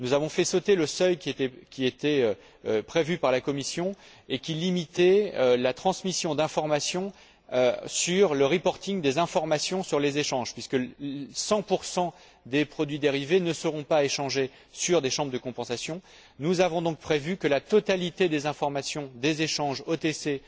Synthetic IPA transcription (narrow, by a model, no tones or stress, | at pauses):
nuzavɔ̃fɛsɔt̪eləsœjkʲiet̪ɛkʲiet̪ɛø | øpχevypaʁlakɔmisjɔ̃ | ekʲilimit̪ɛølat̪χɑ̃smisjɔ̃d̪ɛ̃fɔʁmasjɔ̃ | øsyʁləʁipɔʁt̪iŋd̪ezɛ̃fɔʁmasjɔ̃syʁlezeʃɑ̃ʒpɥiskəsɑ̃puʁsɑ̃ | d̪epχɔd̪ɥid̪eʁivenəsəʁɔ̃paeʃɑ̃ʒe | syʁd̪eʃɑ̃bʁəd̪əkɔ̃pɑ̃sasjɔ̃ | nuzavɔ̃d̪ɔ̃k̚pχevykəlat̪ɔt̪alit̪ed̪ezɛ̃fɔʁmasjɔ̃d̪ezeʃɑ̃ʒot̪ese